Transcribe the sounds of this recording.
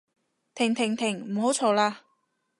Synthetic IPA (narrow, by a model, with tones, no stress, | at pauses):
t̪ʰɪ˨˩ŋt̪ʰɪ˨˩ŋt̪ʰɪ˨˩ŋm̩˨˩ho˨˥wt͡ʃʰɔː˨˧˩laː˧